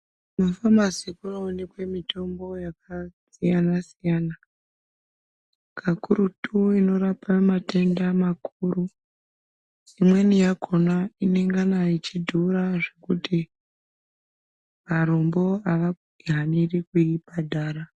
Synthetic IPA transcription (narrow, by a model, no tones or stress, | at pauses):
mafamazikunaonekwe̞mito̞mbo̞jakasijanasijaːna | kʰakuɾutʰuino̞ɾapamate̞ndamakʰuːru | imwe̞nijako̞naine̞ŋɡanait͡ʃidʱuɾaʐe̞kuti | maɾombo̞aʋakuɡʱanirikuibʱadʱaːɾa